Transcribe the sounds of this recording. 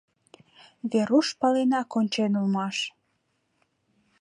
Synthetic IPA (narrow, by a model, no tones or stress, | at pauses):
βeɾuʃpɑlenɑkonʲt͡ɕenulmɑʃ